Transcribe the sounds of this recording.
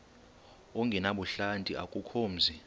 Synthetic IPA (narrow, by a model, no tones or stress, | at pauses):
oŋɡʱɛnaɓuɬantʼiʔakʼukʰoːm̩zi